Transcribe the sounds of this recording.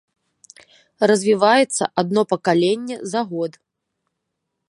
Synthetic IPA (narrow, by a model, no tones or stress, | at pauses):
rɐzʲvʲivajɛt̪sːɐ̰ʔad̪̚nɔpɐkalʲenʲːɛzaɣɔd̪